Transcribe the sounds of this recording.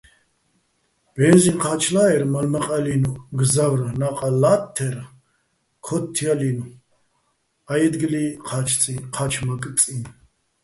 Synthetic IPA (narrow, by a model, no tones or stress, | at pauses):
b̥ɛnzinqʰat͡ʃʰlaɛɾmalmaqʼalinuɡzavɾanaqʼalat̪ʰːɛɾ | kʰɔt̪ʰːialinu | ajɛd̪ɡliqʰat͡ʃʰt͡sʼiqʰat͡ʃʰmakʼt͡sʼin